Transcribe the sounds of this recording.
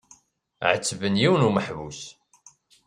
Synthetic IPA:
ʕət͡sːvənjiwənuməħvus

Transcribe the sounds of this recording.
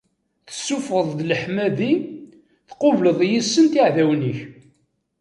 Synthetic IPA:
θə̥sːufəðˤðləħmæði | θqʊvləðˤjisːənt̪iʕðæwniç

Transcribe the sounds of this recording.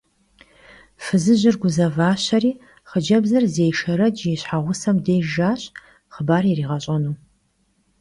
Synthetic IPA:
fɨzɨʑɪrɡʷʊzɐvaːɕɐriː | χəd͡ʒɐbzɐrzejʂɐɾɐd͡ʒjɛɕħaʁʷʊsɐmdeːʒaːɕʼ | χəbaːrjiriːʁɐɕʼɐnuː

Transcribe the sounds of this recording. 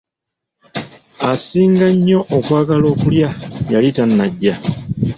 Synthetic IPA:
asiːŋɡaɲːo̞ʔokwaːɡalo̞ːkuljajalitanːaɟːa

